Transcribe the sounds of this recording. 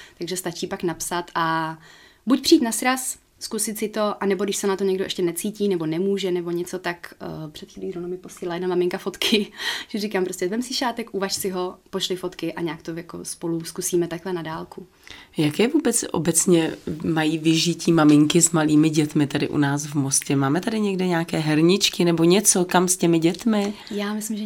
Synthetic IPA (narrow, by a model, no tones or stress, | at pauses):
t̪aɡʒɛst̪at͡ʃiːpaknapsat̪ʔa | bucpr̥iːt̪nasɾas | skusɪt̪sɪt̪o̞ʔanɛbodɪʃsɛnat̪oɲɛɡdoʔɛ̰ʃcɛnɛt͡siːciːnɛbo̞nɛmuːʒɛnɛbo̞ɲɛt͡so̞t̪akːpr̥ɛt̪xiːliːɾonomɪpo̞silɪlajɛdnamamɪŋkafot̪kʰɪʒ̥ɛrikaːmpɾoscɛvɛmsɪʃaːt̪ɛkʔuvaʃsɪɦo̞poʃlɪfo̞t̪kɪʔaɲaːkt̪ojako̰spo̞luskusiːmɛt̪aklɛnadaːlku | jakɛːvuːbɛt͡sʔo̰bɛt͡sɲɛmajiːvɪʒɪciːmamɪŋkɪzmaliːmɪɟɛt̪mɪt̪adɪ̰ʔṵnaːsvmoscɛmaːmɛt̪adɪɲɛɡdɛɲaːkɛːɦɛɾɲɪt͡ʃkɪnɛbo̞ɲɛt͡so̞kamscɛmɪɟɛt̪mɪjaːmɪslɪmʒɛ